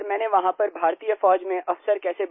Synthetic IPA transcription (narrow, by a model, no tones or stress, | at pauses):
ɾmɛ̃ːneʋɐɦãpɐɾbʱaːɾt̪iːjəfɔːd͡ʒmẽʔʔɐfsəɾkɛːseb